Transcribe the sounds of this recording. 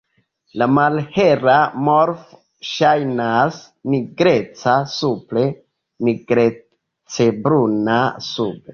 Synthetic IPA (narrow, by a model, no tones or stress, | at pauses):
lamalhe̞ɾamoɾf | ʃajnas | niɡɾe̞t͡sasuple̞ | niɡɾe | t͡sebɾunasube